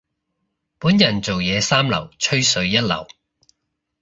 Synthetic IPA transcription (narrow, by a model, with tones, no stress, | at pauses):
puː˨˥njɐ˨˩nt͡so˨wjɛː˨˧saː˥mlɐ̰˨˩wt͡ʃʰɵ˥ɥsɵ˨˧ɥjɐ˥t̚lɐ̰˨˩w